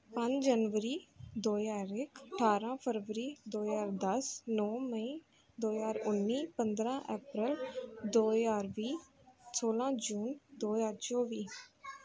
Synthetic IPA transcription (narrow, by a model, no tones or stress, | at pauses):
pə̃ɲd͡ʒd͡ʒənʋəɾiːd̪oːjaːɾɪkʰəʈʰaːɾãːpʰəɾʋəɾiːd̪oːzaːɾd̪əsnɔːməĩː | d̪oːjaːɾʊnːiːpənd̪ɾãːʔɛːpɾɪld̪oːjaːɾʋiː | soːlãːd͡ʒuːnd̪oːjaːɾt͡ʃoːʋiː